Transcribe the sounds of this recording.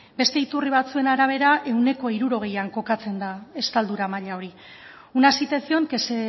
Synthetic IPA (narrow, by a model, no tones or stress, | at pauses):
be̞st̪e̞it̪uriβ̞at͡sue̞naɾaβ̞e̞ɾaʔe̞wne̞ko̞iɾuɾo̞ɣ̞e̞jaŋko̞kat͡se̞nd̪ae̞st̪ald̪uɾamaʎao̞ɾi | unasit̪e̞sio̞ŋkese